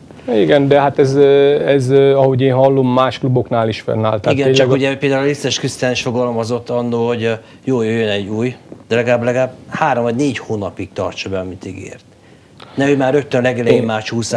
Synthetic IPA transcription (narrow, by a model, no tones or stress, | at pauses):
iɡɛnd̪ɛhat̪ɛzɛzɒhoɟeːnɦɒlːomːaːʃklubo̞knaːliʃfɛ̰nːa̰ːlt̪aiɡɛeɛkuɟɛupeːld̪aːulɾist̪ːɛʃkyst̪ɛɛniʃfo̞ɡɒlmɒzo̞t̪ːɒnːoːlho̞ɟ | joːjøjːønɛɟːuːjd̪̥ɛlɛɡlaːblɛɡlaːbhaːɾo̞mvɒɟneːɟhoːnɒpik̚t̪ɒ̰rt͡ʃɒbɛɒmit̪iɡḛːrt̪ | nɛøːmaːɾø̞t̪ːønlɛɡɛlɛjimːaːʃhuːs